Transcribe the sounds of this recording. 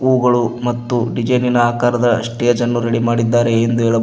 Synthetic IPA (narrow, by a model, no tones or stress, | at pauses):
uːɡɐɭumɐt̪ːuɖid͡ʒɐjninɐaːkaːɾɐd̪ɐɐ̰ʂʈijɐd͡ʒɐnːuɾɐɽimaːɽid̪ːaːɾe̞ːnd̪ueːɭɐ